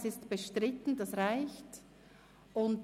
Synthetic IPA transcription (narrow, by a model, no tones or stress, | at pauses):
sɪstb̥əʃtʁɪtn̩dɑsʁaɪçt | ʊnt